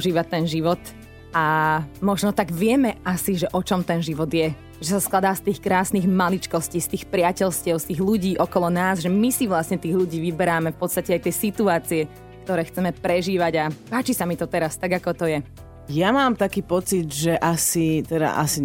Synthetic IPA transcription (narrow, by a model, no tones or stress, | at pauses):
uʒiːʋat̪ɛnʒiʋɔt̪ | amɔʒnɔt̪aɡʋɪɛmɛasiʒɛʔɔt͡ʃɔmt̪ɛnʒiʋɔd̪jɛ | ʒɛsasklˠad̪aːst̪iːxkɾaːsniːɣmalit͡ʃkɔsciːst̪iːxpɾɪacɛʎscɪɛʊst̪iːɣluɟiːʔɔkɔlɔnaːzʒɛmisiʋlasɲɛt̪iːɣʎuɟiːʋibɛɾaːmɛfpɔt̪st̪acɛajt̪ɪɛsit̪uaːt͡siɛ | kt̪ɔɾɛːxt͡sɛmɛpɾɛʒiːʋaɟapaːt͡ʃisamit̪ɔt̪ɛɾast̪aɡakɔt̪ɔjɛ | jamaːmt̪akiːpɔt͡sid̪ʒɛʔasit̪ɛd̪a̰ʔa̰si